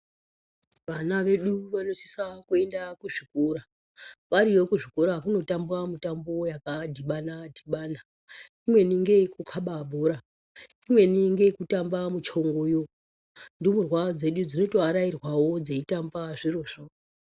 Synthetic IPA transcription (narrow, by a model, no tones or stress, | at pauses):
ʋanaʋe̞ɗuʋano̞ti̥sakue̞ndakuʐikuɾa | ʋaɾijo̞kuʐikuɾakuno̞tambuamutambo̞jakadʱiɓanadʱiɓaːna | imwe̞niŋɡe̞kukʰaɓabʱoɾa | imwe̞niŋɡe̞kutambamut͡ʃo̞ŋɡo̞jo | ndiomurwad͡ze̞ɗud͡zino̞toaɾairwawo̞d͡zeitambaʐiroːʐo